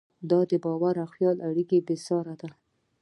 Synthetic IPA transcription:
d̪ɑd̪əbɑwaɾaxjɑlʔaɽikebɪsɑɾad̪a

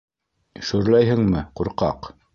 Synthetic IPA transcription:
ʃɵ̆ɾlæjɦɘ̆ŋmɘquɾqɑ̰q

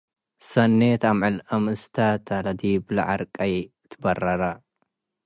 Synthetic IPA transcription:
sɐnːet̪amʕɨlɐmɨst̪ʰat̪ʰɐlɐd̪iblɐ̰ʕa̰ɾkʼɐj | t̪ʰbɐrɐɾɐ

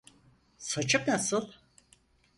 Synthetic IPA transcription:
sat͡ʃʰɯpnasɯlˠ

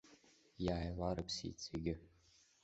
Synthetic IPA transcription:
jaːjlaɾɨpʰsḭt͡sʰʼiɡʲɪ

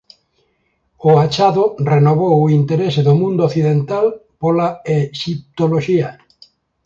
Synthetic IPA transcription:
oat͡ʃaðorenoβowoint̪eɾeseðomũnd̪ooθiðent̪alpolaeʃip̚t̪oloʃia

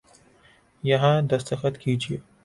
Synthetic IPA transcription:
jɐɦãd̪ɐst̪əxət̪kid͡ʒie

